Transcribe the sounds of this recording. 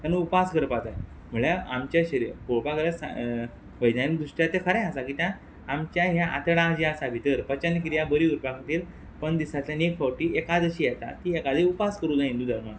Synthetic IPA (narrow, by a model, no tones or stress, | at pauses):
t̪anũupaskəɾpat̪aje | m̤əɭjaamt͡ɕjaɕəɾḭːɾkoɭpakəɾasa̰ | ʋəjd̪anid̪ɾuʂʈjat̪ːekʰəɾãjasakiːt̪jãː | mt͡ɕjaɦjaʔa̰t̪əɭãd͡ʑeasabʱit̪əɾpət͡ɕanːikɾijabəɾiuɾpakʰəʈ̪iːɾ | pəɳd̪isat̪ljanekfawʈiːekad͡zəɕiːjɛt̪a̰t̪iːekad͡z̪ʱiupaskəɾuːd͡zaĩnd̪uːd̪əɾma